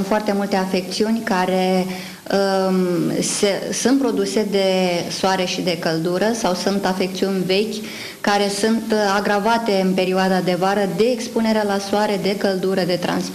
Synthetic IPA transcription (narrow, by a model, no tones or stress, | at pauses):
foart̪e̞mult̪e̞afe̞k̚t̪siunʲkaɾe̞ | ə | sesunt̪̚pɾo̞d̪use̞d̪e̞soaɾe̞ʃid̪ekəld̪uɾəsawsunt̪afe̞k̚t̪siunʲve̞kʲ | kaɾe̞sunt̪aɡɾavat̪e̞ɨnpe̞ɾioad̪ad̪e̞vaɾəd̪e̞ːkspune̞ɾelasoaɾe̞d̪e̞kəld̪uɾəd̪e̞t̪ɾa̰nsp